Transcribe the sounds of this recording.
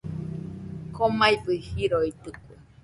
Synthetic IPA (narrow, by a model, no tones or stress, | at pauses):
komajbɯihiɾoit̪ɨkʷe